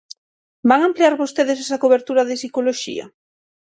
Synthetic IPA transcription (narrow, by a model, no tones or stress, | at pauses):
baŋampleaɾβost̪eðes̬ɛsɐkoβeɾt̪uɾaðɪsikoloʃḭɐ̰